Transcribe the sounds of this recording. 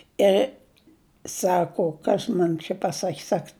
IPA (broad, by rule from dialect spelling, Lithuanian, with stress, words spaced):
ˈɪr ˈsɑːkoː ˈkɐs mɐn t͡ʃʲɛ pɐˈsɐkʲ ˈsɐk